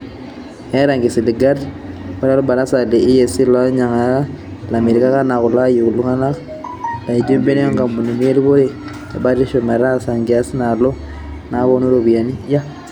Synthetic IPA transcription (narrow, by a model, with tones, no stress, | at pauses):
ɛ˦ɾa˨ŋɡi˨si˨li˨ɡa˦ɾba˦ɾa˦lo˦ba˨ɾa˦sa˨le˨i˦je˨si˦la˦ɲa˨ŋa˨˦la˨me˨ɾi˨ka˦ka˦na˨kʊ˨la˦ju˨ku˨lu˦ŋa˦na˦k | la˨i˨di˦mbe˦ne˦a˦ŋɡa˨mbu˨ni˨mi˦e˦li˦βo˦ɾe˨ | t͡ʃa˨ba˦ɾi˦ʃo˨ma˨ɾa˦˨sa˨ŋɡɪ˨a˦si˦na˨lo˦ | na˨˦βo˦nu˦ɾo˨bi˨ja˨ni˦ja˦